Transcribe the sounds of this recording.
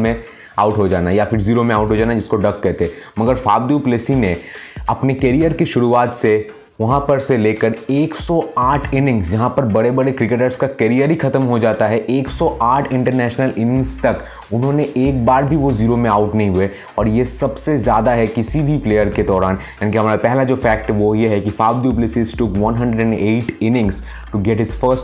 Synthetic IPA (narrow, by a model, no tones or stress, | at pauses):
mẽ | aʊʈɦod͡ʒa̰ːnajafɪɾziːɾomẽaːʊʈɦod͡ʒaːnad͡ʒɪskoɖɐkkɛɦt̪eɦɛmɐɡəɾfaːb̚d̪upleːsineɐpnekɛɾijəɾkeʃʊɾuaːt̪se | ʋɐɦãpɐɾseleːkəɾeːksɔaːʈʰɪnɪ̃ŋɡsd͡ʒɐɦãpɐɾbɐɽebɐɽekɾɪkeːʈəɾskakɛɾijəɾɦixʰɐt̪əmɦod͡ʒaːt̪aɦɛʔeːksɔʔaːʈʰɪ̃ɳʈəɾnɛːʃnəlɪnɪ̃ŋɡst̪ɐk | ʊnɦõːneʔeːk̚baːɾbʱiʋoziːɾomẽaːʊʈnɐɦĩɦʊe | ɔːɾjesɐbsezjaːd̪aɦɛkɪsibʱipleːjəɾked̪ɔːɾaːnjaːnikiɦɐmaːɾapɛɦlad͡ʒoːfɛːk̚ʈɦɛʋojeɦɛkifaːʋd̪juplɪsɪzʈʊkʋɐ̃nɦɐ̃ɳɖɾəɖɛ̃ɳɖeːʈʰɪnɪ̃ŋɡz | ʈuɡɛʈɦɪz̥fəɾsʈ